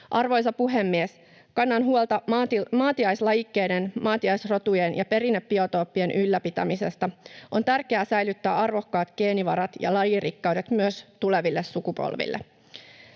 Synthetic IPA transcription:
ʔɑrʋo̞jsɑpuɦe̞mːies | kɑnːɑnɦuolt̪ɑt̪mɑːt̪iɑjslɑjikːe̞ːdenmɑːt̪iɑjsro̞t̪ujenjɑpe̞ɾinːepːio̞t̪o̞ːpːie̞nʔylːæpit̪æ̰mise̞st̪ɑʔo̞nt̪ærkeæsæjlyt̪ːæːɑrʋo̞kːɑːt̪ɡ̥e̞ːniʋɑɾɑt̪jɑ̰lɑjirikːɑwde̞t̪myøst̪ule̞ʋilːessukupo̰lʋḭlːe

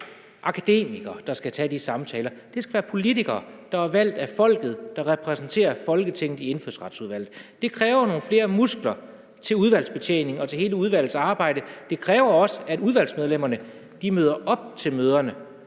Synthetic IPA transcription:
ʔɑ̈kʰæd̥e̝̰ːmiɡ̥ɐd̥ɑ̈sɡ̥æt͡sʰɛd̥isɑ̈mt͡sʰɛːlɐd̥e̝sɡ̥æ̥ʋæːɐpʰo̝lit͡sʰiɡ̥ɐːd̥ɑ̈æɐʋæl̰d̥æfɒ̽l̰ɡ̥ð̞̩ˠd̥ɑ̈ʁɛpʰʁɛsn̩t͡sʰe̝̰ːɐfɒ̽lɡ̥ət͡sʰeŋ̰nð̩ˠie̝nføðˠsʁɑ̈d̥suð̞ˠʋæl̰ð̩ˠd̥e̝kʰʁɛːʊɐno̝ːn̩fle̝ːɐmusɡ̥lɐ | t͡sʰe̝luð̞ˠʋæl̰sb̥e̝t͡sʰḛːne̝ŋɒ̽t͡sʰe̝he̝ːləuð̞ˠʋæl̰ð̩ˠsɑ̈ːb̥ɑ̈ɪ̰ɾ̥əd̥e̝kʰʁɛːʊɐɒ̽səæduð̞ˠʋæl̰smeð̞ˠlem̰ɐnə | d̥imøːð̞ˠɐʔɒ̽b̥̚t͡sʰe̝lmøːð̞ˠɐnə

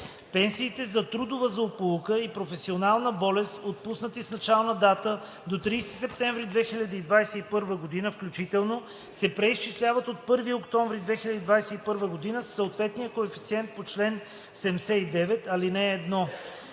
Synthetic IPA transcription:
pɛnsiːt̪ɛzɐt̪ɾud̪ʊvəzɐopulˠukəipɾofɛsionalˠnəbɔlɛst̪ot̪̚pusnət̪isnɐt͡ʃalˠnəd̪at̪ə | d̪ot̪ɾiːst̪i̥sɛp̚t̪ɛ̃ɱvɾid̪vɛxilʲəd̪iid̪vajsɛipɤɾvəɡod̪inəfklʲut͡ʃit̪ɛlˠno | sɛpɾɛist͡ʃislʲavət̪ot̪̚pɤɾviokt̪ɔɱvɾid̪vɛxilʲɐd̪id̪vajsɛipɤɾvəɡod̪inəsːəot̪vɛt̪nijəkoɛfi̥t̪siɛnt̪̚pot͡ʃlɛn | sɛmsɛid̪ɛvɛt̪ɐlinɛːd̪nɔ

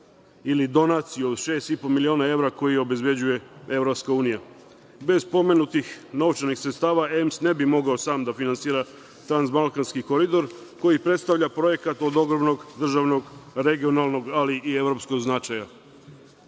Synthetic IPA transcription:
ilid̪o̞nat̪sijuod̪ʃe̞ːst̪ipo̞milio̞ːnae̞ʋɾako̞jio̞be̞zbje̞d͡ʑuje̞e̞vɾopskauːnija | be̞zpo̞me̞nut̪ixno̞ʋt͡ʃenixsɾet̪st̪aːʋae̞msne̞bimo̞ɡaosaːmd̪afinantsiːɾa | t̪ɾanzmalˠkanskiko̞ɾid̪o̞ɾ | ko̞jipɾet̪st̪aʋʎapɾo̞je̞kat̪o̞d̪o̞ɡɾobno̞ɡd̪r̩ʒaʋno̞ɡɾe̞ɡio̞nalˠno̞ɡaliʔie̞ʋɾo̞psko̞ɡznat͡ʃaja

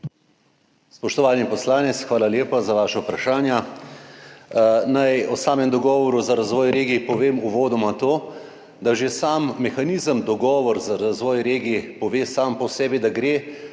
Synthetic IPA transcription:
spɔʃt̪ɔʋaːnipɔslaːnɛt̪sxʋaːlaljeːpazaʋaːʃawpɾaʃaːnja | najɔsaːmɛmd̪ɔɡɔːʋɔɾuzaɾazʋɔːjɾeːɡipɔʋeːmuʋoːd̪ɔmat̪oː | d̪aʒesaːmːɛxaniːzəmd̪ɔɡɔːʋɔɾzaɾazʋɔːjɾeːɡipɔʋeːsaːmpɔsɛːbid̪aɡɾeː

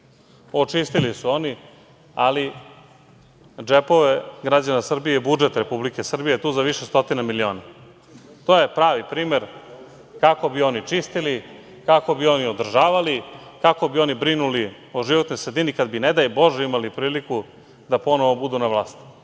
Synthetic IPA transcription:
o̞t͡ʂist̪ilisuo̞ni | ali | d͡ʒepo̞ʋe̞ɡɾad͡ʑanasr̩bijeibud͡ʒet̪ɾepublike̞sr̩bijet̪uːzaʋiʃest̪o̞t̪inamilio̞ːna | t̪oje̞pɾaːʋipɾiːme̞ɾ | kako̞bio̞nit͡ʂist̪ili | kako̞bio̞niod̪r̩ʒaːʋalikako̞bio̞nibɾinuli | oʒiʋot̪nojsɾed̪inikad̪bined̪ajbo̞ʒeimalipɾiːliku | d̪apo̞noʋobud̪unaʋlˠaːst̪i̥

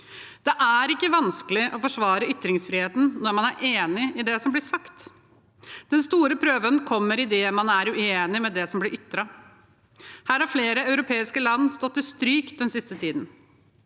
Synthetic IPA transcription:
d̪̥ɛʔæɾɪkːəʋɑnskəlɪʔɔfɔʂʋɑːɾəʏt̪ːɾɪŋsfɾɪheːt̪n̩nɔɾmɑnæɾʔeːnɪɪd̪ɛsɔmblɪsɑkt̪ | d̪̥ɛnst̪uːɾəpʰɾøːʋənkʰɔmːəɾɪd̪ɛmɑnæɾʉeːnɪmɛd̪ɛsɔmblɪɾʔʏt̪ːɾɑ | hæːɾhɑɾfleːɾəɑʉɾʊpʰeːɪskəlɑnːst̪ɔt̪ːɪst̪ɾyːk̪̚d̪ɛnsɪst̪ət̪ʰiːd̪n̩

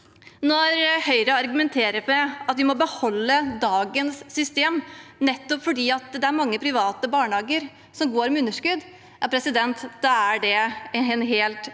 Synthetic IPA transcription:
nɔɾhœʏɾəɑɾɡʉmɛnt̪ʰeːɾəpɛɑt̪ʋɪmɔbəhɔlːəd̪ɑːɡənsːʏst̪eːmnɛt̪ːɔpfɔɖiːɑt̪d̪ɛæɾmɑŋːəpʰɾɪʋɑːt̪əbɑːɳəhɑːɡəɾ | sɔmɡoːɾmɛʉnːəʂkʉd̪ | ɛpʰɾɛsɪd̪ɛnt̪d̪ɑæɖɛɛnɦeːlt̪

